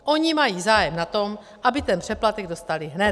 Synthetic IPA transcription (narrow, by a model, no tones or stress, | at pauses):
ʔo̞ɲimajiːzaːjɛmnat̪o̞m | ʔabɪt̪ɛnpr̥ɛplat̪ɛɡ̚do̞st̪alɪɦnɛt̪